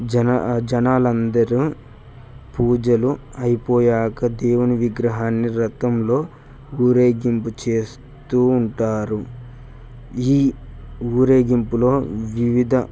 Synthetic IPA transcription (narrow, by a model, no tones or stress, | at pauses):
d͡ʒɐnaːlɐnd̪ɐɾi | puːd͡ʒɐluɐjipɔːjaːkɐd̪eːwuniʋiɡɾɐɦaːnːiɾɐt̪ɐmlo̞ː | uːɾeːɡimput͡ʃe̞ːs | t̪uːɳʈaːɾu | iː | uːɾe̞ːɡimpulo̞ːʋiʋid̪ʱɐ